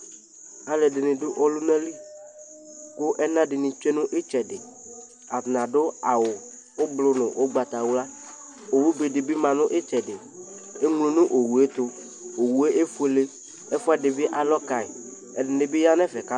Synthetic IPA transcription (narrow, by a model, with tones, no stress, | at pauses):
a˨le˨dɪ˨nɪ̃˨dʊ˦ʔɔ˦lʊ˦nɛ̃˦li˦ | kʊ˦ʔɛ˦nã˦ɖɪ˨nĩ˨t͡ʃe˦nʊ̃˦ʔe˦t͡ʃɛ˨dɪ˨ | a˨nã˨dʊ˦a˨wʊ˨ | o˦blʊ˨nʊ̃˨ʔo˦ɡ͡ba˨t̪a˨wʊ˦la˦ | o˨wu˦be˨dɪ˨bi˦mã˨nʊ̃˦ʔe˦t͡ʃɛ˨dɪ˨ | e˦ŋ˦lo˨nʊ̃˦ʔo˨wu˨e˦t̪ʊ˦ | o˨wu˨e˦ʔe˦fu˦e˨le˦ | ɛ˦fɔ˦a˦dɪ˨bɪ˦ʔa˨lɔ˦ka˨e˨ | ɛ˨dɪ˨nɪ˨be˦ja˦nɛ̃˦fɛ˨ka˦